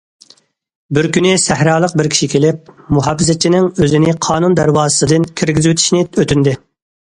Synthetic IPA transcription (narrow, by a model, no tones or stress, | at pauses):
bɪɾkʲynɪsæhɾɑːlˠəq̚bɪɾkʲʰi̥ʃikʲʰelɪp̚muɦɑːfɨzɛt͡ʃʰːinɪŋøzɪnɪqʰɑːnund̪æɾwɑːzəsɨd̪ɨnkʲʰiɾɡʲɪzwet̪ʰi̥ʃnɪøt̪ʰynd̪ɪ